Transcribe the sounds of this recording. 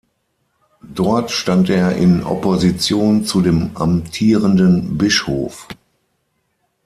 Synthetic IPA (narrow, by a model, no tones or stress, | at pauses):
d̥ɔɐtʃtanteːɐʔɪ̰nʔɔ̰pozit͡sjoːnt͡sudeːma̰mtʰiːʁəndənbɪʃhoːf